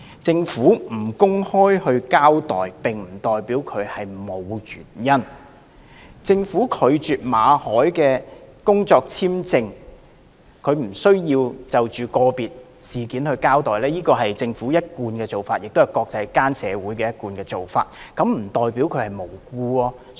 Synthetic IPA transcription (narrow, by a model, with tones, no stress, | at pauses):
t͡sɪ˧ŋfuː˨˥m̩˨˩kʊ˥ŋhɔː˥jhɵ˧ɥkaː˥wt̪ɔ̰ː˨jpɪ˨ŋm̩˨˩t̪ɔː˨˩jpiː˨˥wkʰɵ˨˧ɥhɐ˨jmo˨˧wjyː˨˩njɐ˥n | t͡sɪ˧ŋfuː˨˥kʰɵ˨˧ɥt͡ʃyː˨t̚maː˨˧hɔː˨˥jkɛː˧kʊ˥ŋt͡sɔː˧k̚t͡sʰiː˥mt͡sɪ˧ŋ | kʰɵ˨˧ɥm̩˨˩sɵ˥ɥjiː˧wt͡sɐ˨wt͡ʃyː˨˩kɔː˧piː˨t̚ | siː˨kiː˨˥nhɵ˧ɥkaː˥wt̪ɔː˨jlɛː˥jiː˥kɔː˧ɦɐ˨jt͡sɪ˧ŋfuː˨˥jɐ˥t̚kuː˧nkɛː˧t͡so˨wfaː˧t̚jɪ˨k̚t̪o˥hɐ˨˩jkɔː˧k̚t͡sɐ˧jkaː˥nsɛ̰ː˨˧wuː˨˥jkɛː˧jɐ˥t̚kuː˧nkɛː˧t͡so˨wfa̰ː˧t̚ | kɐ˨˥mm̩˨˩t̪ɔː˨˩jpi˨˥wkʰɵ˨˧ɥhɐ˨jmo˨˩wkuː˧ɔː˧